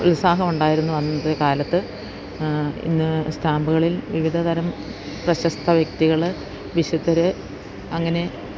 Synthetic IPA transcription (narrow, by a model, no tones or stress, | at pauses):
ṵlsaːɦɐmuɳɖaːjiɾunːuʋɐnːunːðekaːlɐt̪ːɨ | ḭnːɨst̪ʰaːmbɨɣɐɭilʋiʋid̪ʱɐd̪ɐɾɐm | prɐɕɐst̪ʰɐʋjɐkt̪iɣɐɭ | ʋiɕut̪ːɐɾɨ | ɐŋːɐne̞